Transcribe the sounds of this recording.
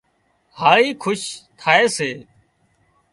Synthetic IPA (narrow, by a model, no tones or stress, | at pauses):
haːɾiːkʰʊʃt̪ʰaːeːseː